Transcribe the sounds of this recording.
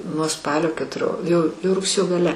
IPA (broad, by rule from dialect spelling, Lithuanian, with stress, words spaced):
nuɔ ˈspɑːlʲoː kʲɛtʊˈrʲoː jɛʊ jɛʊ rʊkˈsʲeːjoː ɡɐˈlʲɛ